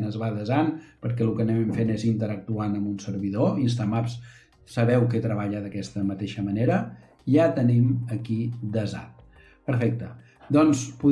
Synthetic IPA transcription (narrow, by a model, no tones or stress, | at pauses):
nəzβaðəzanpəɾkɛlukənɛɛmfenezint̪əɾək̚t̪uanəmbunsəɾβiðoins̬t̪amaps | səβɛwkɛt̪ɾəβaʎəðəkɛst̪əmət̪eʃəməneɾə | ʒat̪əniməkid̪əza̰n | pəɾfɛk̚t̪ə | d̪ɔnspu